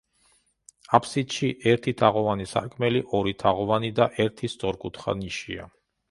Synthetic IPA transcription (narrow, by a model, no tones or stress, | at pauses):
apʰsit̪ʃiʔɛɾt̪ʰit̪ʰaʁɔvanisa̰kʰmɛliʔɔɾit̪ʰaʁɔvanid̪aʔɛɾt̪ʰist̪ʼɔɾkʼut̪ʰχa̰niʃia̰